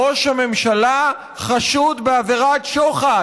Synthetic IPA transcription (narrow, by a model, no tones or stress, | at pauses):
oʃhame̞mʃala | χaʃud̪beaveʁat̪ʃoχa